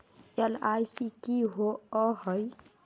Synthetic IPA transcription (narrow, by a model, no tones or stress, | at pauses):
elajsikiɦoɔɦəj